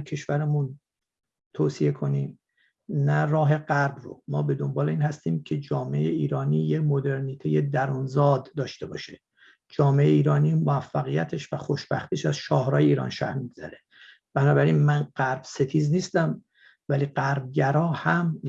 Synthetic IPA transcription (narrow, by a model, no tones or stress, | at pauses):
cʰe̞ʃvæɾemun | t̪ʰoːsije̞kʰo̞niːm | nærɒːɦe̞ɢæɾbro̰mɒːbe̞d̪o̞mbɒːleiːnhæst̪iːmcʰe̞d͡ʒɒːmeḛjeiːɾɒːniːjemo̞d̪e̞ɾniːt̪ʰeje̞d̪æɾunzɒːd̪ːɒːʃt̪e̞bɒ̰ːʃe | d͡ʒɒːmeejeiːɾɒːniːmoæfːæɣijæt̪ʰe̞ʃvæxo̞ʃbæxt̪iʃæzʃɒːhɾɒːjeiːɾɒ̰ːnʃæ̰hmiɡz̥æ̰ɾe | b̥ænɒːbæɾiːnmænɢ̥æɾb̥se̞t̪ʰiːzniːst̪æm | væliːɢæɾb̚ɟæɾɒːhæm